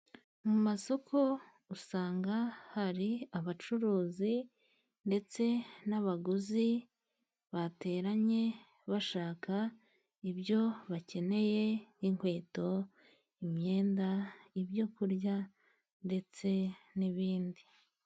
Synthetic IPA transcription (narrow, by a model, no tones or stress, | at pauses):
mumaso̞kʰo̞ | usaːŋɡahaɾiaβat͡ʃuɾuːzi | nde̞t͡se̞naβaɡuzi | βate̞ːɾaɲe̞ | βaʃaːka | ibjo̞βace̞ne̞je̞jiŋhwe̞ːto̞ | imɲe̞ːndaibjo̞kuɾɟa | nde̞t͡se̞niβiːndi